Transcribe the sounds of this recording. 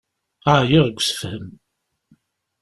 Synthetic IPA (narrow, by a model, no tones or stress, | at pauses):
aʕjiʁəɡʷːsə̥fhəm